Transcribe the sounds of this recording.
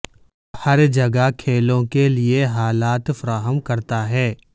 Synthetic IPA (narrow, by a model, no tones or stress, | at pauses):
hɐɾd͡ʒɐɡakʰeːlõkelieɦaːlaːt̪fɐɾaːɦəmkɐɾt̪aɦɛː